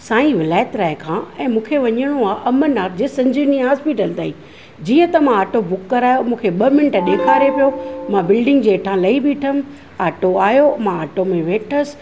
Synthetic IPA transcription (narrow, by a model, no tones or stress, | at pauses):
sãːĩʋɪlaːjət̪ɾaːɪkʰãːɛ̃ːmũːkʰeʋɐɲəɽ̃oaːʔɐmənaːp̚d͡ʑeːsɐ̃ɲd͡ʑɪnĩɦaːspiːʈəlt̪aːĩː | d͡ʑiːə̃t̪ɐmãaːʈobʊkːɐɾaːjomũːkʰeɓɐmɪnəʈɗeːkʰaːɾepijomãbɪlɖɪ̃ŋɡd͡ʑeːʈʰãlɐibɪʈʰəm | aːʈoaːjomãaːʈomẽʋeːʈʰəsɪ̥̆